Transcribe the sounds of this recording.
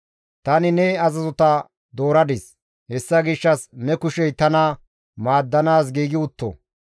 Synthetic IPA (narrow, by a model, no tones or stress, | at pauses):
t̪ɐnɪnɛɐzɐzɔt̪ɐ | d̪o̞ːɾɐd̪ɪs | hɛsːɐɡɪʃːɐsmɛkʊʃɛjt̪ɐnɐ | maːd̪ːɐnaːs̬ɡiːɡɪʊt̪ːɔ̰